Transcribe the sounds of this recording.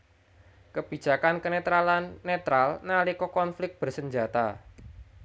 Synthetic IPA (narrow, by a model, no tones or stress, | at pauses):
kəb̥i̥d͡ʒ̥a̤kankənet̪ɾalanːet̪ɾalnalikɔkɔnflɪk̚t̚b̥ərsəɲd͡ʒat̪a̰